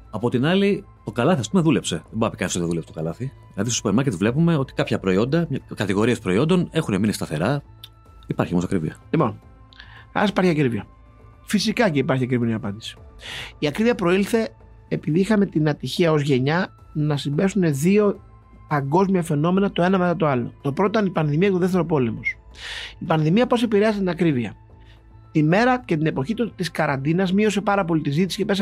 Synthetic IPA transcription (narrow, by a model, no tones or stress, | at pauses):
ɐpo̞t̪inɐli | t̪o̞kɐlɐθiɐspume̞ðule̞pse̞ðebɐɐpikɐnist̪oðulpset̪okɐlɐθiðilɐðist̪osupeɾmɐɾket̪vle̞pume̞o̞t̪i̥kɐpçɐpɾo̞io̞nd̪ɐmkɐt̪iɣo̞ɾie̞spɾo̞io̞nd̪o̞ne̞xuneminist̪ɐθe̞ɾɐ | ipɐɾçio̞mosɐkɾivḭɐ̰limo̞n | ɐ̰si̥pɐɾçiɐkɾiviɐ | fisikɐceipɐɾçiɐkɾiminiɐpɐnd̪isi̥iɐkɾiviɐpɾo̞ilθe̞ː | piðiixɐme̞t̪inɐt̪içiɐo̞zʝe̞ɲɐ | nɐsimbe̞sune̞ðio̞ | pɐŋɡo̞zmiɐfe̞no̞me̞nɐt̪o̞e̞nɐme̞t̪ɐt̪o̞ɐlo̞̰t̪o̞pɾot̪ot̪ɐnipɐnðimiɐcet̪oðef̬t̪e̞ɾo̞po̞le̞mo̞sipɐnðimiɐpo̞se̞piɾeɐzit̪inɐkɾiviɐ̰ | t̪ime̞ɾɐce̞t̪̬ine̞po̞çit̪t̪iskɐɾɐnd̪inɐzmio̞se̞pɐɾɐpo̞lit̪izit̪isi̥ce̞pe̞s̬